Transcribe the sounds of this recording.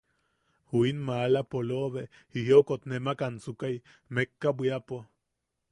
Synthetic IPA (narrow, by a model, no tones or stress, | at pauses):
huinmaːlapoloʔβe | hihokot̪nemakansukaj | mekːabʷiapo